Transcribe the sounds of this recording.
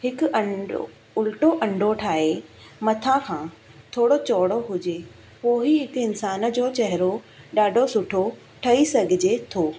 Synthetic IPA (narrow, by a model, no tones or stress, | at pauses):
hɪkʊɐ̰ | ʊlʈoʔɐ̃ɳɖʱoʈʰaːɦemɐt̪ʰãkʰã | t̪ʰoːɽot͡ɕɔːɽoɦʊd͡ʑe | poːɦiɦɪkɪnsaːn̆d͡ʑoːt͡ɕɐɦɪɾo | ɗaːɖʱosʊʈʰo | ʈʰɐisɐɡʱɪd͡ʑet̪ʰoː